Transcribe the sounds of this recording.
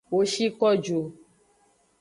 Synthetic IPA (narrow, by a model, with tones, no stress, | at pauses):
wo˨ʃi˦kɔ˦d͡ʒo˨